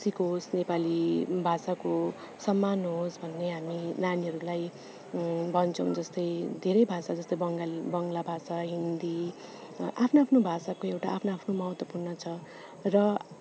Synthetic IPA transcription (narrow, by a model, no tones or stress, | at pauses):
sikɦosnepalibʱasako | sʌmːanɦosbʱʌnːeɦaminaniɦʌɾulaj | bʱʌnt͡sʰʌw̃d͡zʌst̪ʌjd̪ʱeɾʌjbʱasad͡zʌst̪ʌjʌŋɡabʌŋɡlabʱasaɦind̪i | ʔapʰnoapʰnobʱasakoewʈaːpʰnoapʰnomʌɦʌt̪wʌpurnʌt͡sʰʌ | rʌ